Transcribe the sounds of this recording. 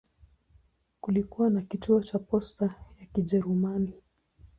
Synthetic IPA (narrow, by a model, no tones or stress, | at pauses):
kulikuwanakituɔt͡ʃapɔstajakiʄɛɾumani